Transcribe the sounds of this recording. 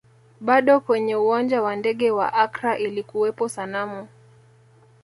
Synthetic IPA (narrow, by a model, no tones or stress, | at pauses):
ɓaɗɔkwɛɲɛuwand͡ʒawandɛɠɛwa̰ʔakɾaʔilikuwɛpɔsanamu